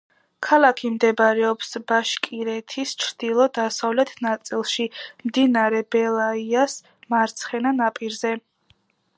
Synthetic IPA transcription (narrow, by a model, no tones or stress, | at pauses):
kʰalˠakʰimd̪ɛbɾɛɔpsbaʃkʼiɾɛt̪ʰist͡ʃʰɾd̪̥ilˠɔd̪asavlɛt̪ʰnat̪sʼilˠʃimd̪inaɾɛbɛlˠaias | maɾt̪sʰχɛnanapʼiɾzɛ